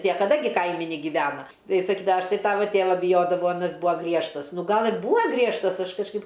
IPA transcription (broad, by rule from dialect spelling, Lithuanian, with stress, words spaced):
tʲiɛ kɐˈdɐ ɡʲɪ ˈkɐɪmʲɪ nʲɛɡʲɪˈʋʲæːnɐ ˈtɐɪ jɪs sɐˈkʲiːdɐ ˈɐʃ ˈtɐɪ ˈtɑːʋɐ ˈtʲeːʋɐ bʲɪˈjoːdɐʋɐʊ ɐˈnɐs ˈbuɔ ˈɡrʲiɛʃtɐs ˈnʊ ˈɡɐlˠ ɪr ˈbuːɐ ɡrʲiɛʃtɐs ˈɐʃ kɐʃˈkɐɪp